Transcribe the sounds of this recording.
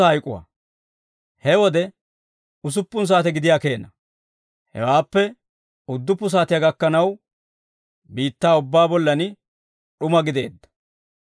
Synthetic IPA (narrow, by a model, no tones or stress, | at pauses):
ɐhɐjkʼʊwa̰ː | hɛwɔd̪ɛ | ʊs̬ʊpːʊns̬aːt̪ɛɡɪd̪ɪjaːke̞ːnɐ | hɛ̰waːpːɛ | ʊd̪ːʊpːʊs̬aːt̪ɪjɐɡɐkːɐnɐw | biːt̪ːaːʊbːaːbɔlːɐnɪ | ɗʊmɐɡɪd̪e̞ːd̪ːɐ̥